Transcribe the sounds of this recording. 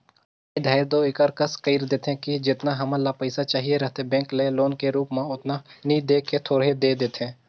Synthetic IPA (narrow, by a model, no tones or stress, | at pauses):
id̪ʱaːɪɾd̪oɪkəɾkəskəɪːɾd̪eːt̪ẽkid͡ʒɪt̪naɦɐməlapəɪsat͡ʃaːɦieɾɐɦt̪ebɛ̃ːŋkleloːnkeɾuːpmãʊt̪naniːd̪eːkːet̪ʰoːɽ̤ed̪eːd̪eːt̪ɦẽː